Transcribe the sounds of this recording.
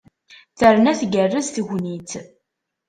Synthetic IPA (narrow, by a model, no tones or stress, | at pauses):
θəɾnæθɡərːəzθʝnit̪